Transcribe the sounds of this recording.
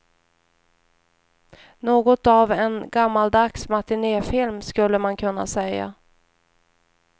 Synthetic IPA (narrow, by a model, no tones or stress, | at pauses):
noːɡɔt̪avɛnɡamːald̪aksmat̪ɪneːfɪlmskɵlːəmankʰɵn̪ːa̰sɛjːa̰